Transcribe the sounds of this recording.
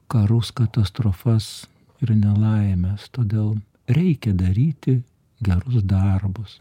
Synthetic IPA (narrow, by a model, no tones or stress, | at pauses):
kɐɾʊskɐt̪ɐst̪ɾoːfɐs | ɪrnʲɛlˠɐɪmʲɛst̪oːd̪ʲeːlˠ | ɾʲɛɪkʲɛd̪ɐɾʲiːt̪ʲɪ | ɡʲɛɾʊsd̪ɐrbʊs